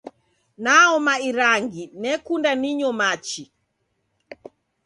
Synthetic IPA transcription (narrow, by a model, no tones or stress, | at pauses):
naɔmaiɾaŋɡinɛkundaniɲɔmat͡ʃi